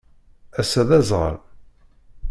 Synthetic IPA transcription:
æsæðæzʁə̰ɾ

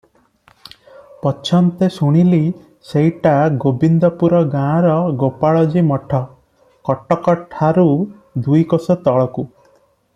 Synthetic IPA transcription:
pɔt͡ʃʰɔnt̪esuɽ̃ili | sejʈaɡobind̪ɔpuɾɔɡãɾɔɡopaɭɔd͡ʒimɔʈʰɔ | kɔʈɔkɔʈʰaɾu | d̪ujkosɔt̪ɔɭɔku

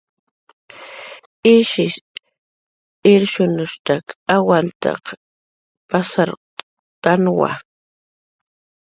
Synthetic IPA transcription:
ɪʃɪʃ | ɪɾʃʊnʊʃt̪akawant̪a̰q | pasaɾ | t̪anwa̰

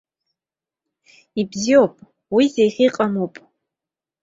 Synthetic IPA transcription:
ibziopʼ | wizejχʲiqʼamupʼ

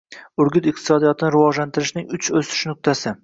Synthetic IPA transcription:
ʊɾɡʲʊt̪ɪq̚t̪ʰɪ̥sɒd̪ijɒt̪ʰɪnɪɾɪvɒd͡ʒlant̪ʰɪɾɪʃnɪŋʊt͡ʃʰɵsɪ̥ʃnʊk̚t̪ʰasɪ

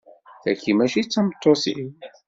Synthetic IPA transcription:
θækːimæʃit͡sːɑmət̪ˤːosḭ

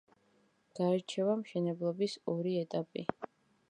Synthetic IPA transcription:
ɡ̥aɛɾt͡ʃʰɛvamʃɛnɛblˠɔbisɔɾiɛt̪ʼapʼi

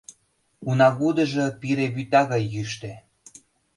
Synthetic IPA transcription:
unɑɣud̪ə̆ʒɤ̆piɾeβyt̪ɑɣɑjːyʃt̪e

